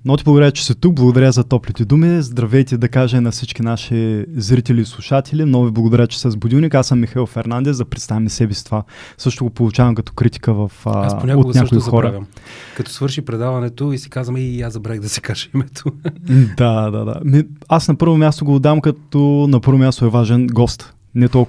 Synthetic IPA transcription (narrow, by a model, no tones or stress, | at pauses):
nɔt̪iblˠɡʊd̪ɐɾat͡ʃɛ̥sɛt̪uk̚blˠɐɡʊd̪ɐɾʲəzɐt̪ɔplit̪ɛd̪umizd̪ɾɐvɛjt̪id̪ɐkaʒɛnɐfsit͡ʃkʲinaʃizɾit̪ɛlʲiːslˠuʃat̪ʰɛlʲimnɔɡʊviblˠɐɡʊd̪ɐɾʲat͡ʃɛ̥sɛzbʊd̪ʲilˠnikasɐmːixɐilˠfɛɾnand̪ɛszd̪ɐpɾɛt̪st̪avimsɛbɛst̪ovasɤʃt̪oɡopolˠut͡ʃavɐmkɐt̪ɔ̥kɾit̪i̥kəvɐfasonʲakooɡnʲaʃkoixɔɾɐvʲjɐmkɐt̪ɔ̥svɤɾʃipɾɛd̪avɐnɛt̪oisi̥kazvɐmɛjazɐbɾɛɣd̪ɐsi̥kaʒɛimɛt̪ʰod̪ad̪a̰d̪a̰miasnɐpɤɾvomʲjast̪oɡoːd̪avɐmkɐt̪onɐpɤɾvomʲast̪oɛvaʒɛnɡɔst̪ | nɛt̪ɔl